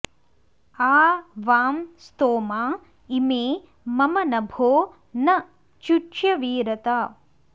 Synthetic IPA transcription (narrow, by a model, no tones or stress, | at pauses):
aːʋaːmst̪oːmaː | imeː | mɐmɐnɐbʱoː | nɐ | t͡ʃut͡ʃjɐʋiːɾɐt̪a